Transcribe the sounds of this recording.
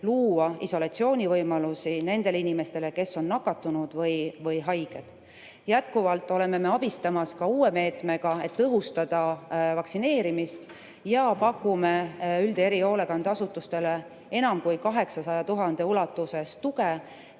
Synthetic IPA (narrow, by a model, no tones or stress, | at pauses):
luːɑiso̞lɑt̪sio̞ːnʲivɤjmɑlusine̞nd̪e̞linime̞st̪e̞le̞ke̞sːo̞nːɑkːˑɑt̪ːˑunud̪̥vɤjvɤjɦɑjɡ̥e̞d̪̥ | jæt̪kuvɑlt̪ˑːo̞le̞me̞me̞ɑbist̪ɑmɑskɑuːe̞me̞ːt̪me̞ɡ̥ɑe̞t̪ːɤɦust̪ɑd̪̥ɑvɑksine̞ːɾimist̪ | jɑpɑkːˑume̞yld̪e̞ɾio̞ːle̞kɑnd̪ɑsut̪ːˑust̪e̞le | e̞nɑmkujkɑɦe̞ksɑsɑjɑt̪uɦɑnd̪̥e̞ulɑt̪ːˑuse̞st̪uke